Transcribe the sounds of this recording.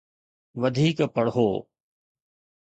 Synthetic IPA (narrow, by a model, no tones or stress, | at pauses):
ʋəd̪ʱiːkpəɽɦoː